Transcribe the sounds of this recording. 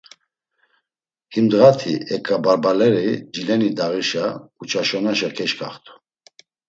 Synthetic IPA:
himd̪ʁat̪ʰiɛkʼːabaɾbalɛɾid͡ʒilɛnid̪aʁiʃaut͡ʃʰaʃɔnaʃakʰɛʃkʰa̰χt̪ʰu̥

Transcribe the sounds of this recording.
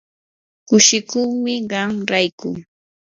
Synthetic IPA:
kʊʃɪkʊχmɪɢɑŋɾajkʊ̰ŋ

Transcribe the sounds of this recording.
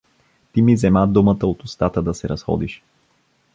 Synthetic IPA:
t̪imizɛmad̪umət̪əot̪ʊst̪at̪əd̪ɐsɛɾɐsxɔ̰d̪iʃ

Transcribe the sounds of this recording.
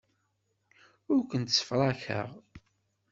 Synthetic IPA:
ʊɾkʷənt̪sə̥fɾˤɑçə̰ʁ

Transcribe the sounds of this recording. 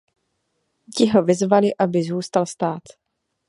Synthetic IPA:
cɪɦo̞vɪzvalɪʔabɪzuːst̪alst̪aːt̪

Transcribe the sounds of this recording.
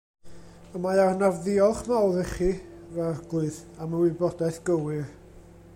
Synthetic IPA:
əmajarnarðɪɔlˠχmawðəχivɛrɡ̥lˠɨðaməwɪbɔdaθɡ̥əwɨr

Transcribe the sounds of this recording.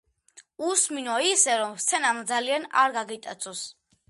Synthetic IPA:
usminɔisɛɾɔmst̪sʰɛnamd̪zaliana̰ɾɡaɡit̪ʼat̪sʰɔs

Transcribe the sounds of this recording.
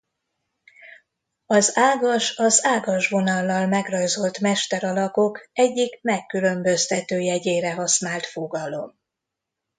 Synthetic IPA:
ɒzaːɡɒʃɒzaːɡɒʒʋo̞nɒlːɒlmɛɡrɒjzo̞lt̪mɛʃt̪ɛɾɒlɒko̞kɛɟːikmɛkːylø̞mbø̞st̪ɛt̪øːjɛɟeːɾɛɦɒsnaːlt̪fo̞ɡɒlo̞m

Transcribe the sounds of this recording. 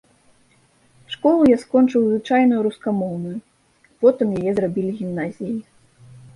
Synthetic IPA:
ʂkɔlˠujaskɔnt͡ʂɨwzvɨt͡ʂajnɐjuɾuskamɔwnuju | pɔt̪ɨmjajɛzrabʲilʲiɣʲimnazʲiji

